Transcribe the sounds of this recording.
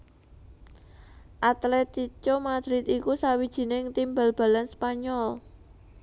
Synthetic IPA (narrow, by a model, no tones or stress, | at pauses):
ʔat̪lɛt̪it͡ʃomad̪̥ɾɪt̪ikusawid̥ʒ̥i̤nɪŋt̪imbalb̥a̤lanspaɲɔl